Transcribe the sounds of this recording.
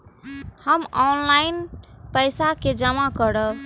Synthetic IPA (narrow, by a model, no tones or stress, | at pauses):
həmɔnlaɪnpəjsaked͡ʒəmakəɾə